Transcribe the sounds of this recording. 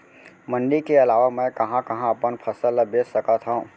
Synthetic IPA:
mə̃ɳɖikeɐlaːʋamɛ̃kɐɦãkɐɦãɐpənpʰɐsələbeːsəkat̪ʰɦaũ

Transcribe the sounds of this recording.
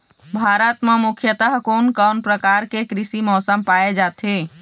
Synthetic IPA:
bʱaɾət̪memukʰjət̪əɦkoːnkənpɾəkaɾkekɾisimɔːsəmpaed͡ʒat̪ʰe

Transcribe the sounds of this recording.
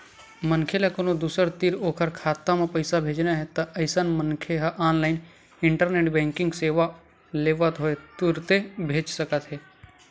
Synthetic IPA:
mənkʰelakonod̪uːsəɾt̪iɾoːkʰəɾkʰaːt̪ːamẽpəɪsabʱeːd͡ʒnaɦɛt̪ɐʔɐɪsənmənkʰeɦaʔaːnlaːɪn | ɪɳʈəɾneːʈbɛ̃ːŋkɪ̃ŋɡseːʋa | leːʋət̪ɦoet̪ʊɾt̪ebʱeːd͡ʒsəkət̪ɦɛː

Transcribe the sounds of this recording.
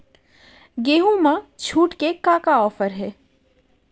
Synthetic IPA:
ɡeːɦũmãt͡ʃʰuːʈkekãːkaɔːfəɾɦɛː

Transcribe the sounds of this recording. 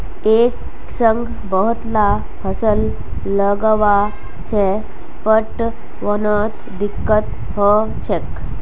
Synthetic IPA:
ek | səŋɡʱ | bəɦut̪la | pʰəsəlː | əɡəʋa | se | pəʈ | ʋɔnət̪ | d̪ikːət̪ | hɔ | t͡ɕʰek

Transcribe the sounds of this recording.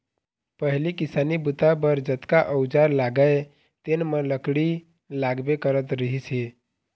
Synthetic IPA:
pəɦlikɪsanibut̪abəɾd͡ʒət̪kaʔəwd͡ʒaɾlaɡae | t̪enmə̃ləkɽi | laɡbekəɾət̪ɾəɦise

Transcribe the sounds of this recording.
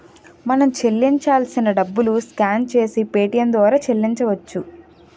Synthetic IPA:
mɐnɐmt͡ʃe̞lːiɲt͡ʃaːlsinɐɖɐbːuluskaːnt͡ʃe̞ːsipe̞ːʈijɐnd̪ʋaːɾaːt͡ʃe̞lːiɲt͡ʃɐʋɐt͡ʃːu

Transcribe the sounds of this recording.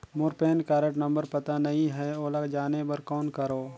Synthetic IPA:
mʊːɾpeːnkaːɾəʈnə̃mbəɾpɐt̪anɐɦĩɦɛoːlaɡd͡ʒaːnebɐɾkɔːnkəɾoː

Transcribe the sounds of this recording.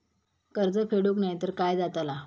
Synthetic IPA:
kəɾd͡zəfʰeɽoknajt̪əɾkajd͡zat̪ala

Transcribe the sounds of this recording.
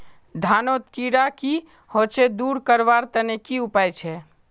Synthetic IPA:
d̪ʱanot̪kiɾaki | hot͡ʃʰed̪uɾkəɾbaɾt̪ənekiupajt͡ʃʰɛ

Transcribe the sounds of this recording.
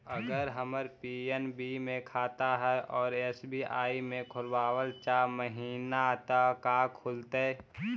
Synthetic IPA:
əɡəɾɦəməɾpiːenbimẽkʰaːt̪aɦɛʔɔːɾeːsbiʔa̰ːimẽkʰʊlwaːwəlt͡ʃaːməɦiːnat̪akaːkʰʊlt̪e

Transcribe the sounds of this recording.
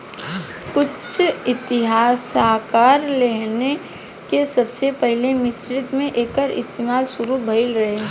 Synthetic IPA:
kʊt͡ʃt͡ʃʰɪt̪ɪɦaːsaːkaːɾleɦne | kesɐbsepɛɦlemɪsɾɪt̪mẽʔeːkəɾɪ̰st̪eːmaːlsʊɾubʱɐɪlɾɐɦe

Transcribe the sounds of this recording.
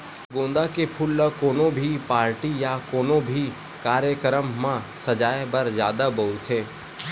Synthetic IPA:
ɡõːnd̪akepʰʊlːəkoːnõbʱipaːɾʈijakoːnõbʱi | kaːɾjəkəɾəmːãsɐd͡ʒaːjbɐɾzjaːd̪abɐɦut̪ɦẽː

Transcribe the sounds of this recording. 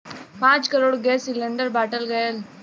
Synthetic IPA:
pãːɲt͡ʃkɐɾoːɽɡeːsilːɛɳɖɐɾbaːʈɐlɡɐjɐl

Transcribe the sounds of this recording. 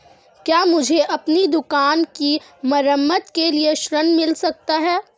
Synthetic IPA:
kjaːmʊd͡ʒʱeʔɐpnid̪ʊkaːnki | mɐɾəmːət̪kelieʃɾənmɪlsɐk̚t̪aɦɛː

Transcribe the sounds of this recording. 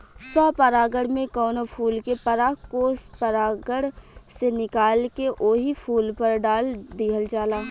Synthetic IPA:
swaːpəɾaːɡəɽmẽkɔːnopʰuːlkepɐɾaːkoːspəɾaːɡəɽsenɪkaːlkeʔoːɦipʰuːlpɐɾɖaːld̪iːɦəld͡ʒaːlaː

